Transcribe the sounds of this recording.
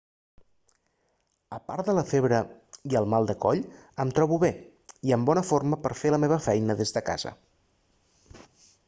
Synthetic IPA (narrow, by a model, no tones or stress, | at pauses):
əpa̰ɾd̪ələfeβ̞ɾəiəlˠmalˠd̪əkɔʎəmt̪ɾɔβuβe | iəmbɔnəforməpəɾfeləmeβ̞əfɛjnəðezðəka̰z̥ə̰